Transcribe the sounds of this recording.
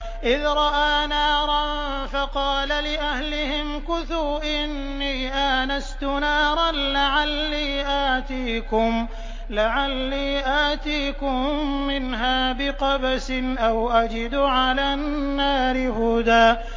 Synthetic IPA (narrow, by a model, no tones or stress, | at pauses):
ʔɪðɾˤɑʔaːnaːɾˤɑn | fɑqɑːlalɪʔahlɪhɪmkʊθuːʔɪnːiːʔaːnast̪ʊnaːɾˤɑnlaʕalːiːʔaːt̪iːkʊm | laʕalːiːʔaːt̪iːkʊmːɪnɦaːbɪqɑbasɪnʔawʔad͡ʒɪd̪ʊʕalaːnːaːɾɪhʊd̪aː